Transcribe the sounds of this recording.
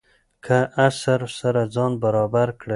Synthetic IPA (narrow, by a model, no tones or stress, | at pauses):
kʰaʔasaɾsaɾad͡zɑnbaɾɑbaɾkɽə